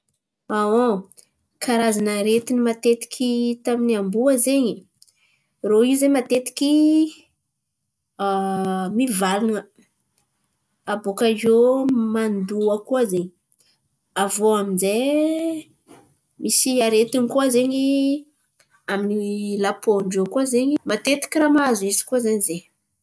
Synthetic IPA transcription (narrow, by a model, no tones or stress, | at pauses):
ao | kʰaɾazanaɾet̪inimat̪et̪i̥kʲʰit̪aminiambuəzeɲi | roiuzeɲmat̪et̪i̥kʲi | amivalunə | abokazomand̪uəkuazeɲi | avoaminze | misiaɾet̪inikuazeɲi | aminilapoɳɖ͡ʐokuazeɲimat̪et̪i̥kʲiramazuizi̥kuazaɲize